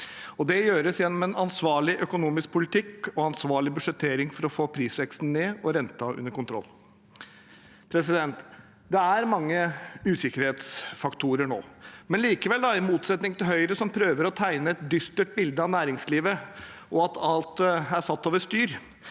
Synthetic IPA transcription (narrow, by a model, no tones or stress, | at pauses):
ɔd̪ɛjøːɾəsjɛnːɔmɛnɑnsʋɑːɭɪʔœkʊnuːmɪsk̚pʰʊlɪt̪ɪkɔɑnsʋɑːɭɪbʉʂɛt̪ʰːeːɾɪŋfɔɾɔfoːpʰɾiːsʋɛkst̪n̩neːɔɾɛnt̪ɑʉ̰nːəɾkʊnt̪ɾɔ̰lː | pʰɾɛsɪd̪ɛnt̪ | d̪ɛæɾmɑŋːəʉːsɪkəɾheːt̪sfɑkt̪ʰuːɾəɳo̰ːmɛnliːkəʋɛld̪ɑɪmuːt̪sɛt̪nɪŋt̪ɪlɦœʏɾəsɔmpʰɾøːʋəɾɔt̪ʰæɪnəɛt̪̚d̪ʏst̪əʈbɪld̪əɑnæːɾɪŋsliːʋə | ʔɔɑt̪ʰɑlt̪æɾsɑt̪ːoːʋəst̪yːɾ